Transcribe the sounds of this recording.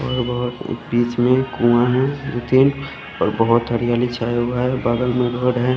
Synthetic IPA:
ɔːɾbəɦʊt̪ːbiːt͡ʃmẽkuãɦɛ̃ɾʊt̪iːn | ɔɾbəɦʊt̪ɦəɾijaːlit͡ʃʰaːɦʊaɦɛbaːd̪əlmẽɡəɽɦɛ

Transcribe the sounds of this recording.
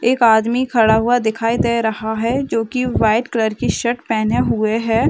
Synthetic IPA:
eːkaːd̪mikʰɐɽaɦuad̪ɪkʰaːid̪eːɾɐɦaɦɛd͡ʒoːkiʋaːɪʈkləɾkiʃɐʈpɛːneɦʊeɦɛː

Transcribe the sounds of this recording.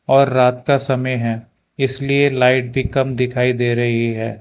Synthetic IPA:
ɔːɾːaːt̪kasɐməjɦɛ̃ː | ɪslielaːɪʈ̚bʱikɐmd̪ɪkʰaːid̪eːɾɐɦiɦɛː

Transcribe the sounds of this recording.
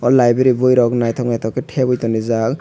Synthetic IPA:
ɔlajbeɾibɔjɾɔknajt̪ʰɔknajt̪ʰɔkeʈʰebɔjt̪ɔnizak

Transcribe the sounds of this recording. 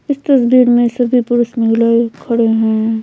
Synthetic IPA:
ɪst̪ɐsbʱiːɾmẽsɐbʱipʊɾʊsmɪɡlaekʰɐɽeɦɛ̃

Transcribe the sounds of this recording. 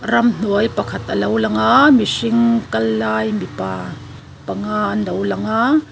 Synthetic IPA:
ɾɐmn̥ujpɐkʰɐt̪ʔɐlowlɐŋamisiŋkɐlːaːjmipa | pɐŋanɐwlɐŋa

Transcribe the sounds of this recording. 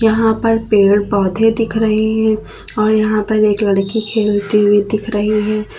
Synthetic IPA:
jɐɦãpɐɾpeːɽbɔɦʊt̪ʰed̪ɪkʰɾɐɦiɦɛ̃ | ɔːɾjɐɦãpɐɾeːklɐɽkikʰeːlt̪iwid̪ɪkʰɾɐɦiɦɛː

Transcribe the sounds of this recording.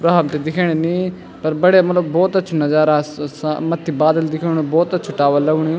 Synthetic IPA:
pɾaːbt̪ed̪ɪkʰeːɽ̃ẽnĩː | pəɾbəɽeamɐt̪ləbbɔːt̪ətːʃʰonad͡ʒaːɾasmət̪ʰːiːbaːd̪əld̪ɪkʰeːɽ̃obɔːt̪ətːt͡ʃʰʊʈaːʋaːləɡɽ̃ĩː

